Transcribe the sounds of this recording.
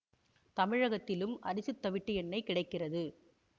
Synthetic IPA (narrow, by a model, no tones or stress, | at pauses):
t̪ɐmɪɻɐɣɐt̪ːɪlɯmɐɾɪsɯt̪ːɐʋɪʈːɯjɛnːɐɪkɪɽɐɪkːɪrɐðɯ